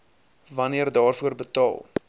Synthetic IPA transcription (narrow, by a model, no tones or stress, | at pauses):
vɐniərdɑːrfuərbətɑ̰ːlˠ